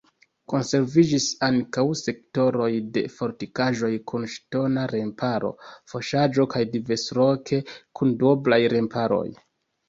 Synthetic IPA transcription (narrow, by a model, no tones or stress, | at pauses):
ko̞nse̞ɾvid͡ʒisaŋkawse̞k̚to̞ɾo̞jde̞̰fo̞ɾtikaʒo̞jkunʃto̞naɾe̞mpaɾo̞̰fo̞ʃad͡ʒo̞kajdive̞sɾo̞kʰe̞kʰundoblajɾe̞mpʰaɾo̞̰j